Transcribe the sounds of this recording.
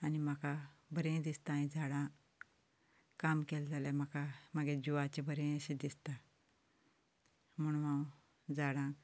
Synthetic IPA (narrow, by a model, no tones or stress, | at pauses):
animakabəɾẽd̪ist̪aːĩd͡zaɽã | kamkeld͡zaljam̤akaməɡed͡ʑuʋat͡ɕebəɾẽəɕẽd̪ist̪a | m̤əɳ̃ʋãw | d͡zaɽã